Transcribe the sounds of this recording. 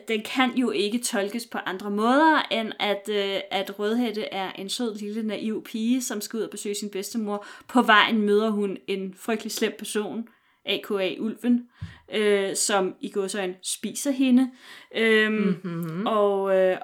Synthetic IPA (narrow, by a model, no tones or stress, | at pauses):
d̥enkʰænjo̝ʔe̝ɡ̥ət͡sʰɒ̽lɡ̥əspʰɒ̽ʔɑ̈nd̥ʁɐmɔ̽ːðˠɐʔenæd̥øæd̥ʁœð̞ˠɦed̥əʔæɐʔe̝nsøð̰ˠlilənæʔiʊ̰pʰiːəsɒ̽msɡ̥uuð̰ˠɐb̥e̝sø̰ːsinb̥esd̥əmo̝ɐ̰pʰɒ̽ʋɑ̈ɪ̰n̩møːð̞ˠɐɦune̝nfʁœɡ̥̚d̥lislem̰pʰæɐso̝̰ːn | ʔɛ̰ːkʰoɛ̰ʔulʋənøsɒ̽miɡ̥ɔsɒɪnsb̥ḭːsɐɦe̝nəø | ɒ̽ø